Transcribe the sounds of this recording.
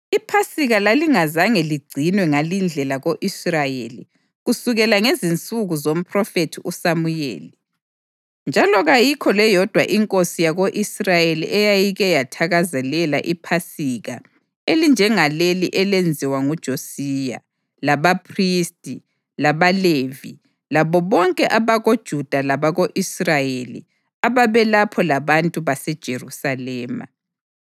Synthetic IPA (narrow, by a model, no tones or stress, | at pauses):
ipʰasiɣalaliŋazaŋeliɡ͡ǀʱinwɛŋalind͡ɮʱɛlaɣoʔisrajeli | ɣusuɣɛlaŋezint͡sʼuɣuzom̩pʰʼrɔfetʰiʔusamujḛːlɛ | nd͡ʒʱalɔɣajikʰɔlɛjɔd̥ʱwaʔiŋkʼosijaɣoʔisrajelḭʔɛjajiɣɛjatʰaɣazɛlɛla̰ʔipʰasiɣa̰ | elind͡ʒʱɛŋaleliʔɛlend͡zʱiwaŋud̥ʒ̥ʱosija̰ | laβapʰristʼi | laβalevḭ | laβɔβɔŋkʼɛʔaβaɣod̥ʒ̥ʱud̥ʱalaβaɣoʔisrajelḭ | aβaβɛlapʰɔlaβantʼuβasɛd̥ʒ̥ʱerusalɛːma̰